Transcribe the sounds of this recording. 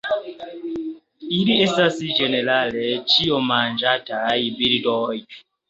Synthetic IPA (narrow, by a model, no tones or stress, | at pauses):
iɾiesasid͡ʒenelalet͡ʃijomand͡ʒataibiɾidɔji